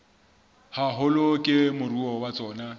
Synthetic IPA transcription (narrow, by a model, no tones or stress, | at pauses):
haɦʊlokʼɪmʊruɔwat͡sʼɔːna